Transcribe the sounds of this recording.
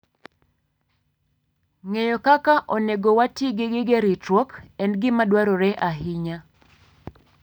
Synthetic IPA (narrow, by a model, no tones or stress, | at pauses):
ŋejokakaʔoneɡowatiɡɪɡɪɡeɾitɾɔkɛndɡɪmadwaɾɔɾɛʔaɦiɲa